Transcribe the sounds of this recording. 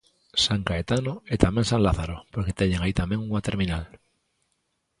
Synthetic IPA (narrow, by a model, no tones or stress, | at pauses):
saŋkaet̪anoet̪amẽŋsãŋlaθaɾopoɾket̪eɲeŋait̪amẽŋuŋat̪eɾmĩnal